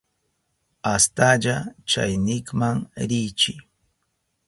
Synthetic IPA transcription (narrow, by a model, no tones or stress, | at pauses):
ast̪aʎat͡ʃa̰jnɪkmaŋɾɪjt͡ʃɪ